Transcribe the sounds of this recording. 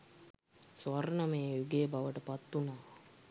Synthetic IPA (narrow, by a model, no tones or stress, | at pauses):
sʋɐɾnəmeːjuɡeːbaʋəʈəpat̪ːunaː